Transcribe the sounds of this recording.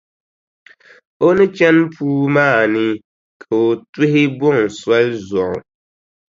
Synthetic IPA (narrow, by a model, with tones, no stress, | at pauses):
o˦nɨ˦t͡ʃɛ˦npʰuː˦maː˦˨nɪ˦ | kʰa˨o˨tʊ˦ɦɪ˦bʊ˦˨ŋswa˦lzɔ˨ʔʊ̰˨